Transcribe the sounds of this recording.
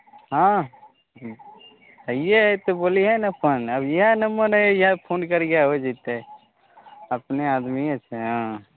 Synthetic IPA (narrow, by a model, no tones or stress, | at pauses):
ɦã | əijet̪oboːliɦɛnəpʰənəbjiɦanəməɾɛjãpʰoːnkəɾɡjaɦoed͡ʒit̪e | əpneaːd̪miət͡ʃʰeɦã